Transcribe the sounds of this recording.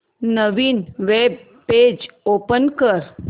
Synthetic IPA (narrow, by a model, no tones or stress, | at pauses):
nəʋinʋeb | peːd͡ʒoːpənkəɾ